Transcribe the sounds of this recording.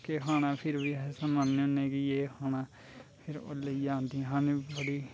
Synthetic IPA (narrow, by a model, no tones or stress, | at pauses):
keːɦaːnãːpʰɪɾbiːsəmənːeʊnẽːkɪjeːhaːnãː | pʰɪɾo̰ləiːd͡ʒãːnd̪iːɛ̃ɦãːnẽːbəɽiː